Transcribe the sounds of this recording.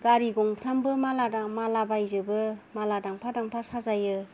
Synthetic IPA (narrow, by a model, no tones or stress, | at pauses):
ɡaɾiɡɔŋpʰɾambɯmaladamalabajzɯbɯmaladaŋpʰadaŋpʰasazajɯ